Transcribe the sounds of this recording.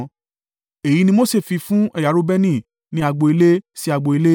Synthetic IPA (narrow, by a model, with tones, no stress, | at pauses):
e˨ji˨˦nĩ˧mo˦˨se˦˨fi˧fũ˦ɛ˧˨ja˨˦ɾo˧˦bɛ˦nĩ˦˨ | nĩ˧˦a˧ɡ͡bo˨˧i˧le˦si˦a˧ɡ͡bo˧i˧le˦